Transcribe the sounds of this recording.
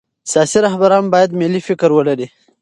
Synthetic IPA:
sjɑsiɾahbaɾɑmbɑjad̪melifɪkɾwəlaɾi

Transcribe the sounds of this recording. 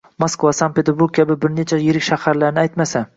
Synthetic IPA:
moskvasanpʰe̞t̪ʰeɾbuɾk̚ʲkʲʰabɪbɪɾnet͡ʃʰajɪɾɪkʲʃahaɾlaɾnɪajt̪masa

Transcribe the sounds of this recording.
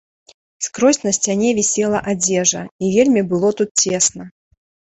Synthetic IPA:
skɾosʲnəsʲtʲanʲevʲɪsʲelˠɐʔadʲeʐəijelʲmʲɪbɨlˠot̪ut̪̚tʲe̞snə

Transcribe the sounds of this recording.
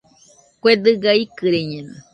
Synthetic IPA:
kwed̪ɨɡaikɨɾeɲẽnɨ̰

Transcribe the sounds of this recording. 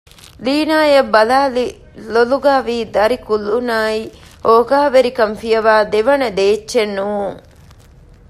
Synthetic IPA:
liːnaːjɐbːɐlaːli | loluɡaːʋiːd̪ɐɾikulːunaːi | oːɡaːʋeɾikɐmfijɐʋaːd̪eʋɐnɐd̪eːt͡ʃːt͡ʃːʃenːuːuŋ

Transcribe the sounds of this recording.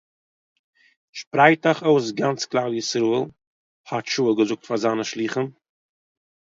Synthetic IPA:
ʃpɾaɪtaχoʊs̬ɡant͡sklˠaːɾjɪsɾuəlˠ | hɔtʃuːəɡəzʊk̚tfazaːnəʃlˠiːχən

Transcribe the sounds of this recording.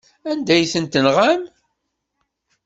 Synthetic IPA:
ænd̪æjθənt̪ənʁam

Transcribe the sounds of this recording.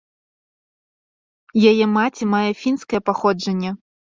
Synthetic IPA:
jajɛmat͡sʲimajɛfʲinskɐjɛpaxɔd͡ʐɐnʲːɛ

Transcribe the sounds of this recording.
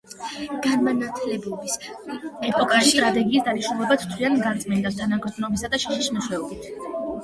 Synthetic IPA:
ɡ̥anmanat̪ʰlɛbɔbisɛpʰʼɔkʼaʃʃisit̪ɾat̪ʼɛɡiːsd̪aniʃulˠɛbat̪ʰt̪ʰwianɡat̪sʼmɛnd̪ast̪ʰanaɡɾd̪nɔbisad̪aʃɛʃiʃmɛʃwɛɔbit̪ʰ

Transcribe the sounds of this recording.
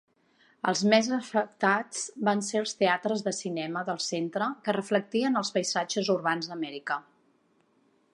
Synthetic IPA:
əlˠzmɛzəfək̚t̪ad͡zbanseəlˠst̪eat̪ɾəzðəsinɛməðəlˠsent̪ɾəkərəflək̚t̪iənəlˠspəjzad͡ʒəzurβanzðəmɛɾikə

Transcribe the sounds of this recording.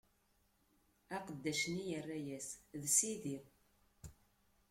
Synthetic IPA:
æqəd̪ːæʃnijərːæjæsðsiðiʁ

